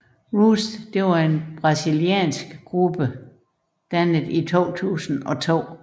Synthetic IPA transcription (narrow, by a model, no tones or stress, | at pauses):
ʁuːsd̥d̥e̝ʋɑ̈e̝nb̥ʁɑ̈siliɛ̰ːnsɡ̥ɡ̥ʁub̥ə | d̥ænəð̩ˠit͡sʰo̝̰ːt͡sʰṵːsn̩ɒ̽t͡sʰo̝̰ː